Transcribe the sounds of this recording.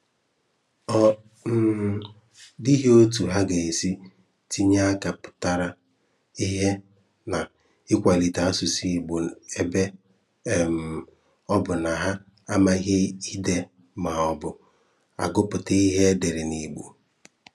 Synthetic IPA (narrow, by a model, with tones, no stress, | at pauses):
ɔ˦ | n̩˨ | di˦ɦe˦o˦tu˨ɦa˦ɡe˨e˨si˦ | ti˦ɲa˦a˦ka˨pʊ̥˨ta˨ɾa˨ | i˦ɦe˦ | na˨ | ɪ˦kʷa˨li˨ta˨a˦su˨si˦˨ɡ͡bo˨e˦be˦˨ | m | ɔ˦bʊ˨na˨ɦa˦ | a˦ma˦i˦ɦe˦i˦de˨ | ma˨ɔ˨bʊ˨ | a̰˨ɡʊ˦pʊ˨te˦i˦ɦe˦de˨ɾɪ˨ni˨ɡ͡bu˨